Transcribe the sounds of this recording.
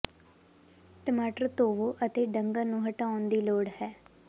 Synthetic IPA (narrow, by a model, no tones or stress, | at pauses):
ʈ̪əmaːʈəɾt̪oːʋoːʔət̪eːɖəŋɡaːnũːɦəʈaːʊnd̪iːloːɽhɛː